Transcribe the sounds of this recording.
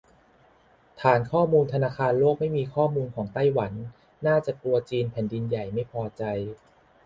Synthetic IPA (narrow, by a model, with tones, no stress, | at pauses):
t̪ʰaː˩˦nkʰɔː˥˩muː˧nt̪ʰa˧naː˧kʰaː˧nloː˥˩k̚ma˥˩jmiː˧kʰɔː˥˩muː˧nkʰɔː˩˦ŋt̪a˥˩jwa˩˦nː | aː˥˩t͡ɕa˨˩k̪u˧ɐt͡ɕiː˧npʰɛː˨˩˦ndi˧nja˨˩jma˥˩jpʰɔː˧t͡ɕa˧j